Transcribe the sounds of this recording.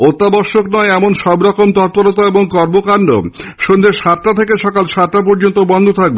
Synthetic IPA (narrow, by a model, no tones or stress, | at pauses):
ot̪ːabɔɾʃoknɔeɛmonʃɔbɾɔkomt̪ɔt̪̚poɾot̪aeboŋkɔɾmokaɳɖo̰ʃond̪ʱeɾʃatʈat̪ʰekeʃɔkalʃat̪ʈapɔɾd͡ʑont̪obɔnd̪ʱot̪ʰak̚be